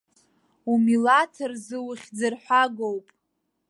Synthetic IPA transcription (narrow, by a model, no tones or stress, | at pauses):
umilatʰɨrzɨwɨχʲd͡zɨrħʷaɡowpʼ